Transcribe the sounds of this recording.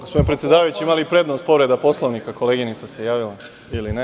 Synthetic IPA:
ɡospod̪npɾet̪ʲjed̪aːʋajut͡ɕiimalipɾe̞d̪nost̪po̞ʋɾe̞d̪apo̞sloʋnikako̞leːɡinit̪ase̞jaːʋila | iline

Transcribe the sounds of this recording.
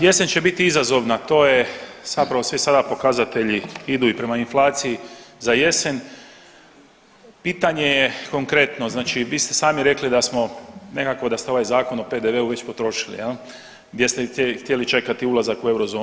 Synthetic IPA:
je̞sent͡ɕe̞bit̪iizazo̞ʋnat̪o̞ːje̞z̥apɾaʋo̞sʋisad̪apo̞kazat̪e̞ʎiid̪uːipɾe̞mainflˠaːt̪sijizaje̞sen | piːt̪aɲe̞jeko̞ŋkɾe̞t̪no̞znaːt͡ʃiʋiːst̪e̞saːmiɾe̞klid̪asmo̞ne̞kako̞d̪ast̪eo̞ʋajzaːko̞no̞pe̞d̪eʋe̞uʋe̞t͡ɕpo̞t̪ɾo̞ʃi̥lḭjel | ɡd̪ʲje̞st̪eext̪je̞lit͡ʃe̞kat̪iulˠazakue̞wɾozoː

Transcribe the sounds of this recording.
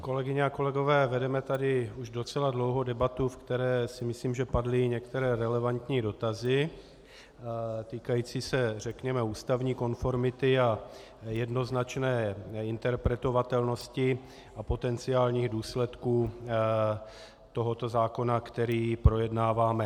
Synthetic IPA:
ko̞lɛɡɪɲɛako̞lɛɡo̞vɛːvɛdɛmɛt̪adɪuʒdo̞t͡sɛladlo̞wɦo̞dɛbat̪ufkt̪ɛɾɛːsɪmɪsliːmʒɛpadlɪɲɛkt̪ɛɾɛːɾɛlɛvant̪ɲiːdo̞t̪azɪ | t̪iːkajiːt͡siːsɛr̝ɛkɲɛmɛuːst̪avɲiːko̞nfo̞ɾmɪt̪ɪa | jɛdno̞znat͡ʃnɛːɪnt̪ɛɾpɾɛt̪o̞vat̪ɛlno̞scɪ | apo̞t̪ɛnt͡sɪaːlɲiːɣduːslɛt̪kuː | t̪o̞ɦot̪o̞zaːko̞nakt̪ɛɾiːpɾo̞jɛdnaːvaːmɛ

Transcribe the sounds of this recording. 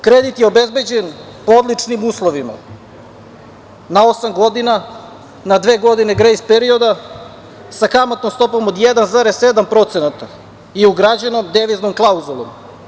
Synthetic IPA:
kɾed̪it̪jeobe̞zbe̞d͡ʑen | pood̪lˠit͡ʂnimuːslˠoʋima̰ | nao̞samɡo̞d̪ina | nad̪ʋe̞ːɡo̞d̪ine̞ɡɾejspeɾio̞d̪a | sakamot̪no̞mst̪o̞po̞mod̪jed̪anzaɾese̞d̪ampɾo̞t̪senat̪a | iuɡɾad͡ʑeno̞md̪eʋiznomklˠauzulˠo̰m

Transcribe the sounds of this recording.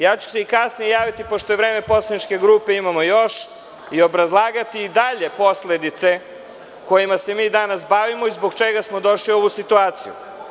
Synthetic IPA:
jaːt͡ɕu̥seikasnijejaːʋit̪ipo̞ʃt̪ojevɾeːme̞po̞slˠanit͡ʃke̞ɡɾuːpe̞imamo̞jo̞ʃ | io̞bɾazlˠaːɡat̪iːd̪aʎe̞po̞sle̞d̪it̪se̞ | ko̞jimase̞miːd̪anasbaʋimo̞izbo̞ɡt͡ʃeɡasmod̪o̞ʃlio̞ʋusit̪uaːt̪sijṵ

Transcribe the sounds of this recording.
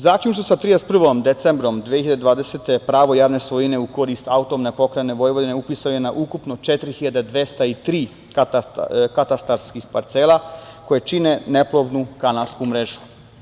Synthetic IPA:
zaːklʲunʃt̪osat̪ɾijespr̩ʋo̞md̪et̪sembɾo̞md̪ʋexiʎad̪ed̪ʋaːd̪e̞set̪e̞pɾaːʋo̞jaːʋne̞sʋojine̞uko̞ɾist̪aut̪omnepo̞kɾajene̞ʋo̞jʋod̪ine̞upisaojenaʔukupno̞t͡ʃet̪ɾixiʎad̪ed̪ʋe̞st̪ait̪ɾiː | k | kat̪ast̪aɾskixpaɾt̪seːlˠako̞jet͡ʃine̞ne̞plˠo̞ʋnukanalskumɾeʒu̥

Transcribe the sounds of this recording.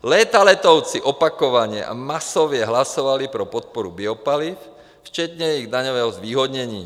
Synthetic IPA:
lɛt̪alɛt̪ɔʊt͡siʔɔpakɔʋaɲɪɛ̰ʔa̰masɔʋɪɛɦlasɔʋalipɾɔpɔt̪̚pɔɾubiɔpalif | ft͡ʃɛt̪ɲɛjɛiɣd̪aɲɔʋɛːɦɔzʋiːɦɔd̪ɲɛɲḭː

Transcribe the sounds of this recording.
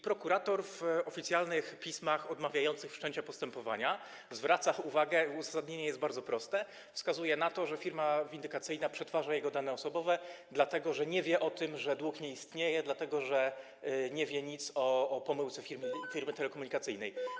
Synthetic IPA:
pɾɔkuɾat̪ɔɾvɔfʲit̪sʲjalnɘxpʲismaxɔd̪mavʲjajɔnt̪sɘxfʂt͡ʂɛɲt͡ɕapɔst̪ɛmpɔva̰ɲa | zvɾat̪sauvaɡɛuzasad̪ɲeɲɛjɛst̪baɾd̪zɔpɾɔst̪ɛ | fskazujɛnat̪ɔʐɛfʲiɾmavʲind̪ɘkat̪sɘjnapʂɛt̪faʐajɛɡɔd̪anɛɔsɔbɔvɛd̪lat̪ɛɡɔʐɛɲɛvʲjɛʔɔt̪ɘmʐɛd̪wukɲɛist̪ɲejɛd̪lat̪ɛɡɔʐɛ | ɲɛvʲjɛɲit̪sɔːpɔmɘwt̪sɛfʲiɾmfʲiɾmɘt̪ɛlɛkɔmuɲikat̪sɘjnɛj

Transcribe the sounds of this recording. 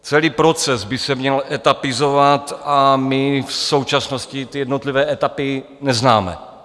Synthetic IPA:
t͡sɛliːpɾo̞t͡sɛzbɪsɛmɲɛlʔɛt̪apɪzovat̪ʔamɪfso̞wt͡ʃasnoscɪt̪ɪjɛdnot̪lɪvɛːɛt̪apɪ | nɛznaːmɛ̰

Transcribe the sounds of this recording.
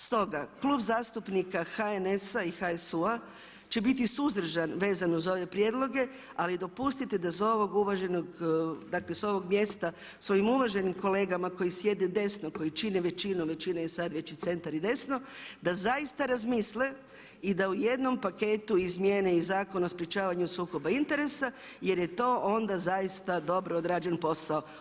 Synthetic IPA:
st̪o̞ɡaklˠuːbzaːst̪upnikaxaenesaixaesua | t͡ʃe̞bit̪̬isuzd̪r̩ʒanʋe̞ːzanozao̞ʋe̞pɾjeːd̪lˠo̞ɡe̞ | alid̪o̞pust̪it̪e̞d̪aso̞ʋo̞ɡuʋaʒe̞noɡd̪akle̞so̞ʋo̞ɡmje̞st̪a | sʋo̞imuʋaʒe̞nimkole̞ːɡamako̞jisje̞d̪ed̪e̞snoko̞jit͡ʃineʋe̞t͡ʃinoʋe̞t͡ʃinajesad̪ʋe̞t͡ɕit̪se̞nt̪aɾid̪e̞sno̞d̪azaist̪aɾazmisle | id̪auje̞d̪no̞mpakeːt̪uizmjeneizaːko̞naospɾje̞t͡ʃaːʋaɲusuːko̞baint̪e̞ɾe̞sa | je̞ɾje̞t̪o̞ːʔo̞nd̪azaist̪ad̪o̞bɾood̪ɾaːd͡ʒe̞npo̞sao

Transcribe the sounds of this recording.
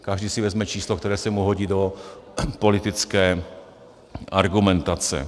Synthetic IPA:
kaʒdiːsɪvɛzmɛt͡ʃiːslokt̪ɛɾɛːsɛmuɦoɟid̪o̞ | po̞lɪt̪ɪt͡skɛː | ʔaɾɡumɛnt̪at͡sɛ̰

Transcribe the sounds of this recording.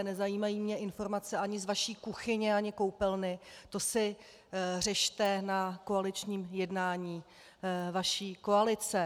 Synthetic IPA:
nɛzajiːmajiːmɲɛʔɪnfo̞ɾmat͡sɛʔaɲɪzvaʃiːkuxɪɲɪaɲɪkowpɛlnɪt̪o̞sɪ | r̝ɛʃt̪ɛnako̞alɪt͡ʃɲiːmjɛdnaːɲiː | vaʃiːko̞alɪt͡sɛ

